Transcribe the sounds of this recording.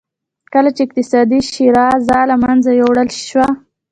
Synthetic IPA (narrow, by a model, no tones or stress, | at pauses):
kəlat͡ʃeɪq̚t̪ɪsɑd̪iʃiɾɑzɑlamanzajowɽəlʃʃwa